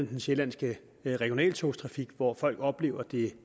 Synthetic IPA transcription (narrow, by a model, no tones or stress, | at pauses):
n̩d̥enɕelænsɡ̥ə | ʁɛɡ̥jo̝nɛ̰ːlt͡sʰost͡sʰʁɑ̈fiɡ̥ʋɒfɒ̽l̰ɡ̥ɒ̽b̥le̝̰ːʊɐd̥e̝